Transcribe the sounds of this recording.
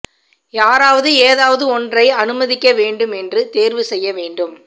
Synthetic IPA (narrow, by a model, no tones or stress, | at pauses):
jaːɾaːʋɐðɯeːðaːʋɐðɯɔndrɐɪɐnɯmɐðɪkːɐʋeːɳɖɯmɛndrɯt̪eːɾʋɯsɛjːɐʋeːɳɖɯm